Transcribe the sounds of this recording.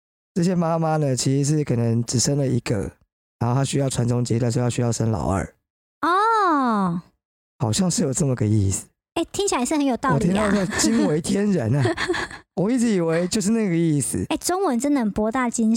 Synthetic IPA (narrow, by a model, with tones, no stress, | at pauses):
ʈ͡ʂɤ˥˩ɕ̬jɛ˥ma˦ma˦nə˨t͡ɕʰi˧˥ʂ̩˧˦ʂ̬ɻ̩˥˩kʰɤ˨˩nə˧˦ŋʈ͡ʂɻ̩˨˩ʂə˥˦ŋlə˨ḭ˧˥ɡə̰˨ | ɻɻa˧˦ŋxo˥˩ʊa˥ɕy˥jɑ˥˩ʊʈ͡ʂʰwa˧˥nʈ͡ʂʊ˦ŋt͡ɕi˧˦t̪a˥˧nʂɻ̩˥˧jʊɕy˥jɑ˥˩ʊʂə˥nlɑ̰˨˩ʊə̰˨˩˦ | ɔ˥˩ | xɑ˨˩ʊɕjɑ˥˧ŋʂɻ̩˥˩jo˨˩ʊʈ͡ʂə˥˩mə˨˩ɡə˨ḭ˥˩s̩˩ | e˥˩ɪt̪ʰi˥ŋt͡ɕʰi˨la˧˦ɪʂɻ̩˥˩xə˧˦njo˨ʊt̪ɑ˥wɔ˨˩i˥˦ŋt̪ɑ˥˧ʊo˥˧˩t͡ɕi˥nwe˧˦ɪt̪ʰjɛ˦nɻə˧˦na˦wɔ˨i˥˩ʈ͡ʂɻ̩˧˥i˨˩we˧˦˥ɪt͡ɕjo˥˧ʊʂ̬ɻ̩˥˧na˥˩ɡə˩i˥˩s̩˨˩˦e˥˩ɪʈ͡ʂo˥ŋwə˧˦nʈ͡ʂə˥nd̪ə˨ə˨˩npwɔ˥t̪a˥˩t͡ɕi˥n